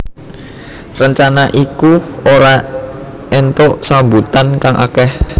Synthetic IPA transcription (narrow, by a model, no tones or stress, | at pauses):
rəɲt͡ʃanaʔikuoɾa | ent̪oʔsambut̪ankaŋʔa̰kɛh